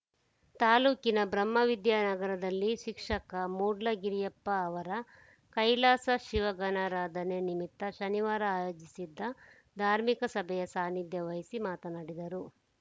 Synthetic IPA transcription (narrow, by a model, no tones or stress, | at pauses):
t̪aːluːkinɐbɾɐmːɐʋid̪jaːnɐɡɐɾɐd̪ɐlːiʃikʂɐkɐmuːɖlɐɡiɾijɐpːɐːʋɐɾɐ | kɐjlaːsɐʃiʋɐɡɐnaːɾaːd̪ʱɐnenimit̪ːɐʃɐniʋaːɾɐaːjoːd͡ʒisid̪ːɐ | d̪ʱaːɾmikɐsɐbʱɛjɐsaːnid̪jɐʋɐjisimaːt̪ɐnaːɽid̪ɐɾu